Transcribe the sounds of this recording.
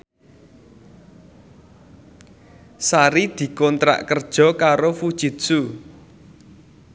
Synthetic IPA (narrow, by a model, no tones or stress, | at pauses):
saɾid̪̥i̤kɔnt̪ɾa̰ʔkərd̥ʒ̥ɔ̤kaɾofud̥ʒ̥i̤t̪su